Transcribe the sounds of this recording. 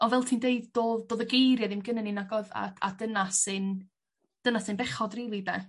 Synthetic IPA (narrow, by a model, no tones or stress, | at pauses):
ɔvɛlˠtʰiːndeɨddoːðdoːðəɡejɾjɛðɪmɡənɛninaɡɔða̰a̰dənasɨn | d̥ənasɨnbɛχɔdriːlˠidɛ